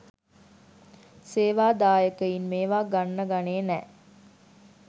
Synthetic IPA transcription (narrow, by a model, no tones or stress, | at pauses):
seːʋaːd̪aːjəkəinmeːʋaːɡanːəɡaneːnɛː